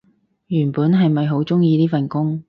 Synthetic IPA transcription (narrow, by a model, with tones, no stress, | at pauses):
jyː˨˩npuː˨˥nɦɐ˨jmɐ˨jɦo˨˥wt͡sʊ˥ŋjiː˧liː˥fɐ˨nkʊ˥ŋ